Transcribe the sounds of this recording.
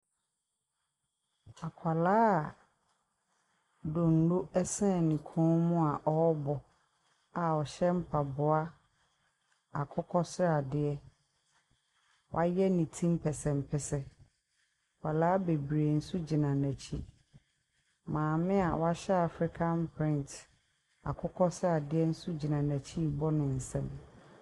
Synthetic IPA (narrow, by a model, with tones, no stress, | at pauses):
a˨kʷʰa˨laː˦˨ | do˨n̩˨˦no˦ɛ˦sɛ̃˦˨nĩ˨kʰɔ̃˦mʊ̃˦a˨ʔɔ˦bɔ˨ | a˨ɔ˨ɕɛ˦m̩˦pʰa˨bʊ˨a˦ | a˨kʰʊ˦kʰɔ˦sɾa˨dɪ˨ɛ˦ | wʔa˦jɛ˦nĩ˨tʰĩ˦m˦pʰɛ˨sɛ̃˨mpʰɛ˨sɛ˦ | wa˨laː˦be˨bɾe˨n̩˦su˦d͡ʑi˨nã˨næ̃˨t͡ɕʰi˦ | mãː˨mɪ̃˦a˨wa˦ɕɛ˦a˨fɾi˦kʰã˦npʰɾɪ̃˦n˨t | a̰˨kʰʊ˦kʰɔ˦sa˨dɪ˦ɛ˦n̩˦su˦d͡ʑi˨nã˨næ˨t͡ɕʰi˦˨bɔ˦nɪ̃˨n̩˨sɛ̃˦m